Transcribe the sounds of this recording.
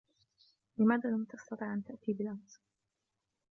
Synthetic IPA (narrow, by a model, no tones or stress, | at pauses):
lɪmaːðaːlamt̪ɑst̪ɑt̪ˤiːʕʔant̪aʔt̪iːbɪlams